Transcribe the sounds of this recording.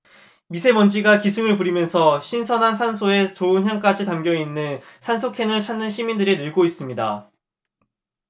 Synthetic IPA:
misʰe̞mʌnd͡ʑiɡakisʰɯŋɯɭpuɾimjʌnsʰʌɕʰinsʰʌnɦansʰansʰoe̞t͡ɕoɯnjaŋk͈ad͡ʑitamɡjʌinːɯnsʰansʰokʰe̞nɯɭt͡ɕʰanːɯnɕʰimindɯɾinɯɭɡois͈ɯmɲida̰

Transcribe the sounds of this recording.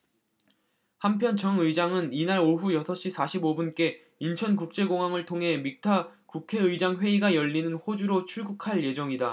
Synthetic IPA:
hampʰjʌnt͡ɕʌŋɯid͡ʑaŋɯninaɾoɦujʌsʰʌɕ͈isʰaɕʰibobunk͈e̞ | int͡ɕʰʌnkuk̚t͡ɕ͈e̞ɡoŋɦwaŋɯɭtʰoŋɦe̞mik̚tʰakukʰe̞ɯid͡ʑaŋɸwe̞iɡajʌʎːinɯnɸod͡ʑuɾot͡ɕʰuɭɡukʰaɭje̞d͡ʑʌŋida

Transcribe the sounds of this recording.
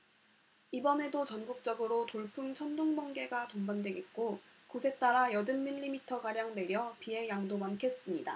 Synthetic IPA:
ibʌne̞dot͡ɕʌnɡuk̚t͡ɕ͈ʌɡɯɾotoɭpʰuŋt͡ɕʰʌnduŋbʌŋɡe̞ɡatombandwe̞ɡet̚k͈okusʰe̞t͈aɾajʌdɯnmiʎːimitʰʌɡaɾjaŋne̞ɾjʌpie̞jaŋdomankʰe̞s͈ɯmɲida̰

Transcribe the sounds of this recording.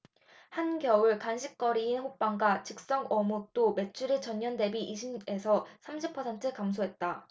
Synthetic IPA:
hanɡjʌɯɭkanɕʰik̚k͈ʌɾiːnɸop͈aŋɡwat͡ɕɯk̚s͈ʌŋʌmut͈ome̞t͡ɕʰuɾet͡ɕʌɲːʌnde̞biʔiɕʰine̞sʰʌsʰamɕʰipʰʌsʰe̞ntʰɯkams̬ʰoɦet̚t͈a

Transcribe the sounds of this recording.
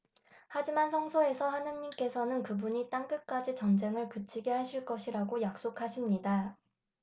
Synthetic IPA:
had͡ʑimansʰʌŋsʰoe̞sʰʌhanɯnɲimk͈e̞sʰʌnɯnkɯbuɲit͈aŋkɯk͈ad͡ʑit͡ɕʌnd͡ʑe̞ŋɯɭkɯt͡ɕʰiɡe̞ɦaɕʰiɭk͈ʌɕʰiɾaɡojak̚s͈okʰaɕʰimɲida

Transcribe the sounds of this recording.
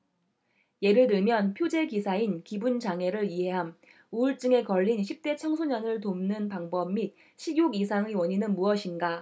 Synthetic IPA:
je̞ɾɯɭdɯɭmjʌnpʰjod͡ʑe̞kisʰainkibunt͡ɕaŋe̞ɾɯɾiɦe̞ɦam | uuɭt͡ɕ͈ɯŋe̞kʌʎːinɕʰip̚t͈e̞t͡ɕʰʌŋsʰoɲʌnɯɭt̬omnɯnpaŋbʌb̚ːit̚ | ɕʰijuɡisʰaŋiwʌɲinɯnmuʌɕʰinɡa

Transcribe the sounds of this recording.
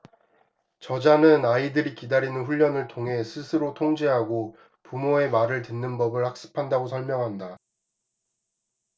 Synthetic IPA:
t͡ɕʌd͡ʑanɯnaidɯɾikidaɾinɯnɸuʎːʌnɯɭtʰoŋɦe̞sʰɯsʰɯɾotʰoŋd͡ʑeɦaɡo | pumoe̞maɾɯɭtɯnːɯnbʌbɯɭhak̚s͈ɯ̥pʰandaɡosʰʌɭmjʌŋɦanda

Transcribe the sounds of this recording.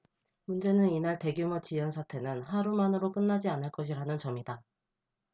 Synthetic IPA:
mund͡ʑe̞nɯninaɭte̞ɡjumʌt͡ɕijʌnsʰatʰe̞nɯnɦaɾumanɯɾok͈ɯnːad͡ʑianɯɭk͈ʌɕ̬ʰiɾanɯnt͡ɕʌmida

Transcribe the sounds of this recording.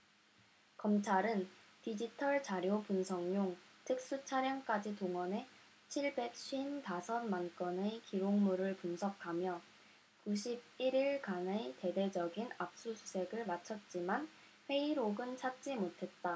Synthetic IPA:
kʌmt͡ɕʰaɾɯntid͡ʑitʰʌɭt͡ɕaɾjopunsʰʌŋɲoŋtʰɯk̚s͈ut͡ɕʰaɾjʌŋk͈ad͡ʑitoŋʌne̞ | t͡ɕʰiɭbe̞k̚ɕʰɥintasʰʌnmank͈ʌnekiɾoŋmuɾɯɭpunsʰʌkʰamjʌ | kuɕʰib̚iɾiɭkanete̞de̞d͡ʑʌɡinap̚s͈usʰusʰe̞ɡɯɭmat͡ɕʰʌt̚t͡ɕ͈iman | ɸwe̞iɾoɡɯnt͡ɕʰat̚t͡ɕ͈imotʰe̞t̚t͈a

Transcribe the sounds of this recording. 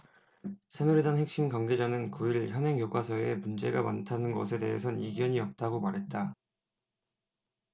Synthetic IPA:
sʰenuɾidanhe̞k̚ɕ͈imɡaŋɡe̞d͡ʑanɯnkuiɭçjʌnɦeŋjoɡwasʰʌemund͡ʑe̞ɡama̰ntʰanɯnɡʌ̰sʰe̞de̞ɦesʰʌniɡjʌɲiʌp̚t͈aɡomaɾɦe̞t̚t͈a

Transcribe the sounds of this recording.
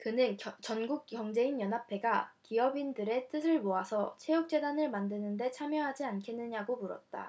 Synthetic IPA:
kɯnɯnt͡ɕʌnɡuk̚k͈jʌŋd͡ʑe̞injʌnɦapʰe̞ɡakiʌbindɯɾe̞t͈ɯsʰɯɭmoasʰʌt͡ɕʰe̞juk̚t͡ɕ͈e̞danɯɭmandɯnɯnde̞t͡ɕʰamjʌɦad͡ʑiankʰenːɯɲaɡomuɾʌ̰t̚t͈a̰

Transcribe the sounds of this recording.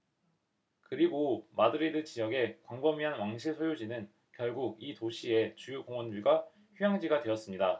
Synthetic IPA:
kɯɾiɡomadɯɾidɯt͡ɕijʌɡe̞kwaŋbʌmiɦanwaŋɕʰiɭsʰojod͡ʑinɯn | kjʌɭɡuɡ̚itoɕʰie̞t͡ɕujokoŋwʌnduɭɡa | çujaŋd͡ʑiɡadweʌs͈ɯmɲida

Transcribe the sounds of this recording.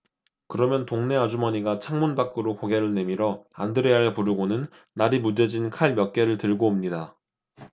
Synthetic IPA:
kɯɾʌmjʌntoŋne̞ad͡ʑumʌɲiɡat͡ɕʰaŋmunbak͈ɯɾokoɡe̞ɾɯɭne̞miɾʌa̰ndɯɾeaepuɾɯɡonɯnː | aɾimuded͡ʑinkʰaɭmjʌk͈̚e̞ɾɯɭtɯɭɡoːmɲida

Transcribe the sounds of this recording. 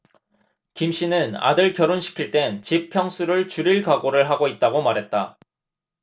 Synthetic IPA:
kimɕ͈inɯna̰dɯɭkjʌɾonɕʰi̥kʰiɭt͈e̞nt͡ɕipʰjʌŋsʰuɾɯɭt͡ɕuɾiɭkaɡoɾɯɭɦaɡoit̚t͈aɡomaɾɦe̞t̚t͈a

